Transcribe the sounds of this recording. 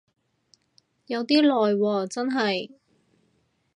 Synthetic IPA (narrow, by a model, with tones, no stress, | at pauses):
jɐ˨˧wt̪iː˥lɔː˨jwɔː˧t͡sɐ˥nɦɐ˨j